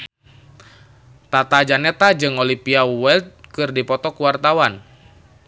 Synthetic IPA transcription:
t̪at̪ad͡ʒanɛt̪ad͡ʒɨŋɔlipiawɛld̪̚kɨrdipɔt̪ɔkuwart̪awan

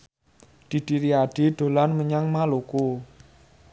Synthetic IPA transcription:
d̪̥i̤d̪̥iɾiaɖ̥i̤ɖ̪̥o̤lanməɲaŋmaloko

